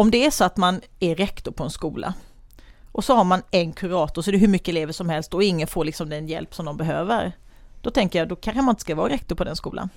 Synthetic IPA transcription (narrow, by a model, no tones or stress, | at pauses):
ɔmd̪ɛæʂɔat̪man | æɾɛkt̪ʊɾpʰɔɛnskuːlʔa̰ | ʔɔsɔhaɾmanɛnkʰɵɾɑːt̪ʊʂsɔɛɾəɦɵɾmʏkːəɛleːvəʂɔmhɛlst̪ɔɪŋːənfoːɾɭɪksɔmd̪ɛnjɛ̰lpsɔmd̪ɔmbɛɦø̰ːvə̰ɾ | d̪̥ɔt̪ʰɛŋkəɾjad̪ɔkʰanxanmanɪnt̪ə̥skavɑːɾɾɛk̚t̪ʊɾpʰɔd̪ɛnskṵːla̰n